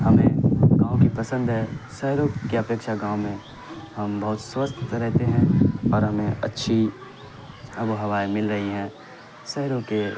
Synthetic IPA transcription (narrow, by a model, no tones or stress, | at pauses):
ɦɐmẽɡãːõkipɐsə̃nd̪ɦɛsɛɦɾõkeɐpeːkʃaɡãːomẽ | hɐmbɐɦʊt̪swəst̪ʰɾɛɦt̪eɦɛ̃ɔːɾɦɐmẽɐtːʃʰi | ɐbuɦɐʋaːjmɪlɾɐɦiɦɛ̃ː | sɛɦɾõke